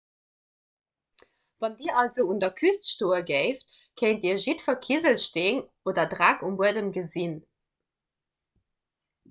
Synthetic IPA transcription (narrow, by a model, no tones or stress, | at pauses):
v̥ɑndiːɐʔɑlzoʊundɐkʰystʃtoːəɡɜɪft | kʰəɪntiːɐʒitfɐkʰizəlʃteːŋ | oːdɐdʁækumbuədəmɡəzin